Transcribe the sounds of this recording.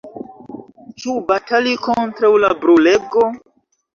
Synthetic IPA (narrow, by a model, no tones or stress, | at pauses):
t͡ʃubatalikontɾawlabɾuleɡo